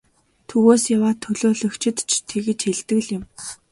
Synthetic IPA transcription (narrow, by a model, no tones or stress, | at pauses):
t̪ʰɵɣoːsjawaːt̪ʰɵɮoːɮɵ̆kt͡ɕʰɪ̆t̪t͡ɕʰt̪ʰeɣɘ̆t͡ɕxeɮt̪ɘ̆ɣɮjɪ̆m